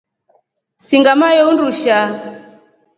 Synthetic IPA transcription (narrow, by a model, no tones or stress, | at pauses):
siŋɡamajɔunduʃa